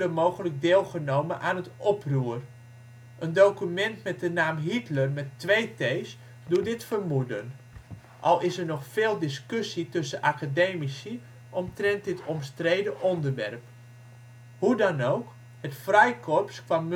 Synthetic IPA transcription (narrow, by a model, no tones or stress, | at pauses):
əmowχələk̚deːlˠχənowmənʔaːnətʔɔpruər | ʔəndowkymɛntmɛt̚dənaːmɦitlərmɛtːʋejtejs | dudɪtfərmudən | ʔɔlˠɪsəɹnɔχfɪːlˠdɪskɵsitɵsənʔakadeːmisi | ʔɔmtrɛnt̚dɪtʰɔmstrejdəʔɔndərʋɛ̰rp | hudɔnowk | hətfrɛjkɔrpskʋam